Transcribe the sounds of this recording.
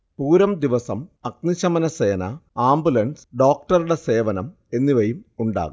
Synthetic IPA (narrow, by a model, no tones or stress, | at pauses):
puːɾɐmd̪iʋɐsɐmɐk̚niɕɐmɐnɐseːnɐaːmbulɐɳsɖo̞ːk̚ʈɐɾuɽe̞se̞ːʋɐnɐm | e̞nːiʋɐjumuɳɖa̰ːɣu